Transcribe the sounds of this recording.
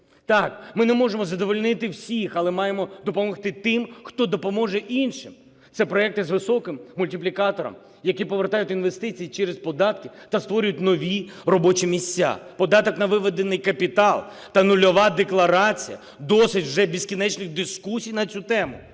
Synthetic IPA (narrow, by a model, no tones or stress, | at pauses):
t̪ɑkmɪnɛmɔʒemɔzɐd̪ɔʋɔlʲnɪt̪ɪwsʲixɐlˠɛmɑjemɔd̪ɔpɔmɔxt̪ɪt̪ɪmxt̪ɔd̪ɔpɔmɔʒɛʔinʃɪm | t̪sɛpɾɔɛk̚t̪ɪzʋɪsɔkɪmːʊlʲtʲiplʲikɑt̪ɔɾɔ̰m | jɐkʲipɔʋert̪ɑjʊt̪ʲinʋe̞st̪ɪt͡sʲijit͡ʃɛɾespɔd̪ɑt̪kɪt̪ɐst̪ʋɔɾʲʊjʊt̪ʲnɔʋʲirɔbɔt͡ʃimʲisʲt͡sʲːa̰pɔd̪ɑt̪ɔknɐʋɪʋɛd̪enɪjkɐpʲit̪ɑlˠ | t̪ɐnʊlʲɔʋɑd̪eklˠɐɾɑt͡sʲḭjɐ̰ | d̪ɔsɪtʲwʒɛbʲiskʲinɛt͡ʃnɪɣd̪ɪskusʲijnɐt͡sʲut̪ɛmʊ̰